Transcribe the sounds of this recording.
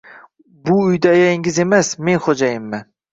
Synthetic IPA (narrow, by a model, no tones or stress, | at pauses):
bʊʊjd̪aːjajɪŋʲɪze̞masme̞nχod͡ʒajɪmːɪ